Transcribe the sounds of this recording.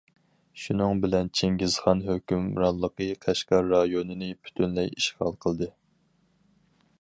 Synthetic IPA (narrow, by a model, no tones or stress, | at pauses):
ʃunɨŋbɪlɛnt͡ʃʰeŋɡʲizχɑnɦøkʲymɾɑlˠːəqəqʰæʃkɑɾːɑjonɨnɨpʰy̥t̪ʰynlɛjiʃχɑlˠqʰəlˠɨd̪ɨ